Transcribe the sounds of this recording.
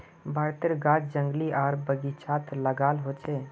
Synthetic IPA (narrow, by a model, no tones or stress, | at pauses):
bʱaɾt̪eɾɡad͡ʒd͡ʒə̃ŋɡliʔaːɾbəɡit͡ʃʰat̪ləɡaːlɦot͡ʃʰe